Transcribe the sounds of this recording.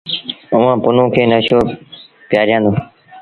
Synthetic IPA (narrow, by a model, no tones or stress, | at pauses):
ʊʋãːpʊnõːkʰeːnəʃoː | pjaːɾjãːnd̪oː